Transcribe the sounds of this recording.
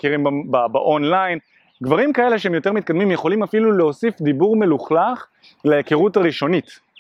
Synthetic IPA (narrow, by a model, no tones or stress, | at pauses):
kiʁimbbabaʔonlajn | ɡvaʁimkae̞le̞ʃeemjo̞t̪e̞ʁmit̪̚kad̪mimjeχo̞limafiluleo̞sifd̪ibuʁme̞luχlaχ | lejekeʁutaʁiʃo̞nit